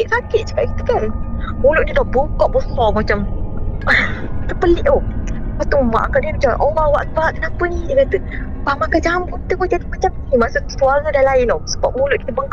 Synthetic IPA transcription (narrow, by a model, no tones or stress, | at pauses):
ʔsakɪt̪̚t͡ʃə̥kaʔ̚kit̪əkanmulʊʔdidaboŋkɔʔbəsɔmat͡ʃam | t̪əpəleʔopat̪uma̰ʔa̰kaʔdiəmat͡ʃaʔɔlawaʔ̪̚baʔk̪ənapənidəkat̪ə | pamakad͡ʒamut̪əŋmat͡ʃamat͡ʃamnimasuʔsuaɾədalaɪnosəbap̚mulʊʔkit̪əbəŋkʔ